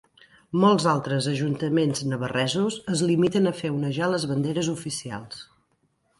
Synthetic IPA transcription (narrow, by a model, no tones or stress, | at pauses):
mɔlˠzalˠt̪ɾəzəʒunt̪əmenznəβərɛzuzəzlimit̪ənəfewnəʒaləzβənd̪eɾəzufisia̰lˠs